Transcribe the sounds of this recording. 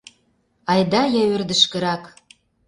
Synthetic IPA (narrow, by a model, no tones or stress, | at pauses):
ɑjd̪ɑjɑørd̪ə̆ʃkə̆ɾɑk